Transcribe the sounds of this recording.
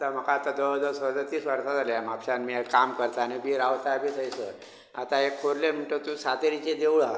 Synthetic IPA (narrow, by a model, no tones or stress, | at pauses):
t̪əm̤əkaːt̪ad̪əd̪əsəd͡zat̪iːsʋəɾsad͡zʱaljamapɕanmikamkəɾt̪anibʱiːɾaʋt̪ajbʱiːt̪ʰəjsə | a̰t̪aekʰoɾlem̤əɳʈət̪usat̪eɾit͡ɕed̪ewɭa